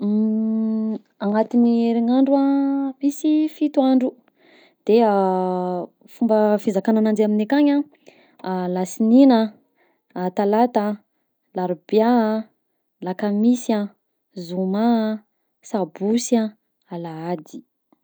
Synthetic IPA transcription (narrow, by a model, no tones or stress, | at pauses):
aŋat̪inieɾiŋaɳɖ͡ʐuamisifit̪uaɳɖ͡ʐu | d̪̥ea | fumbəfezakananand͡ʒaminekaɲa | lasininəː | t̪alat̪ə | laɾub̥ja | lakamisã | zuma | sabusia | alaad̪i̥